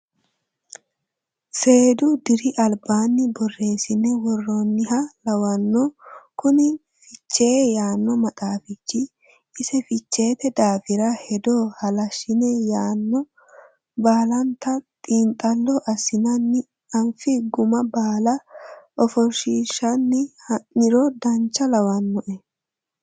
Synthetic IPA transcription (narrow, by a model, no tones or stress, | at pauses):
se̞ːd̪ʊd̪ɪɾɪʔɐlbaːnːɪbɔrːe̞ːsɪnːɛwɔrːoːnːɪɦɐlɐwɐnːokʊnɪ | fɪt͡ʃːe̞ːjaːnːɔmɐt̪ʼaːfɪt͡ʃːɪ | ɪsɛfɪt͡ʃːe̞ːt̪ɛd̪aːfɪɾɐhɛd̪o̞ːhɐlɐʃɪnɛjaːnːɔ | baːlɐnt̪ɐt̪ʼiːnt̪ʼɐlːɔʔɐsːɪnɐnːɪ | ɐɱfɪɡʊmɐbaːlɐʔɔfɔɾʃiːʃːɐnːɪnɪɾɔd̪ɐnt͡ʃːɐlɐwɐnːɔʔɛ